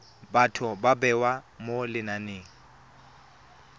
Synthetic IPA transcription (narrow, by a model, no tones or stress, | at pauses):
batʰʊbabɛwamolɪnaneːŋ̩